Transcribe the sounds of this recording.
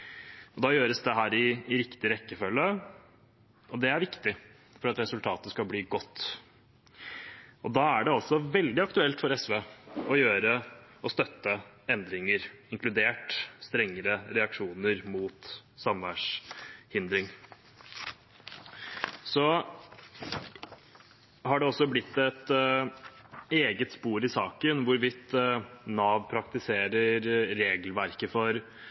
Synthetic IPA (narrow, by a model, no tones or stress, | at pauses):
ɔd̪ɑːjøːɾəsd̪ɛɦæːɾɪːɾɪkt̪ɪɾɛkːəfœlːə | ɔd̪ɛæɾʋɪkt̪ɪ | fɔɾɑt̪ɾɛsʉlt̪ʰɑːt̪əskɑbliːɡɔt̪ː | ɔd̪ɑːæɖɛɑlsɔʋɛld̪ɪɑkt̪ʉɛlt̪fɔɾɛsʋeːɔjøːɾəɔst̪œt̪ːəɛnd̪ɾɪŋəɾɪŋklʉd̪eːʈst̪ɾɛŋːəɾəɾɛɑkʂuːnəɾmuːt̪sɑmʋæʂhɪnd̪ɾɪŋ | sɔ | hɑɖɛɔsːɔblɪt̪ːɛt̪ | eːɡət̪spuːɾɪsɑːkənʋʊɾʋɪt̪ːnɑːʋpʰɾɑk̚t̪ɪseːɾəɾɾeːɡəlʋæɾkəfɔɾ